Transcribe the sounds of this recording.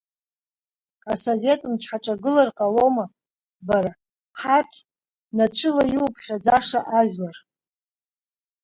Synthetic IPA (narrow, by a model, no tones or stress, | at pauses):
asovʲe̞tʼɨmt͡ʃʷʰħaʈ͡ʂʼaɡɨlarqʼalo̞ma | baɾa | ħartʰ | nat͡ɕʷʰʏlajiwpʰχʲad͡zaʂaʔaʒᶣlar